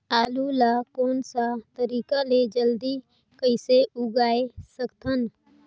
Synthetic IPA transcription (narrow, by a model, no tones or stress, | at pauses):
aːlulakoːnsat̪əɾiːkaled͡ʒəld̪i | kəɪseʔuɡaːesəkt̪ʰən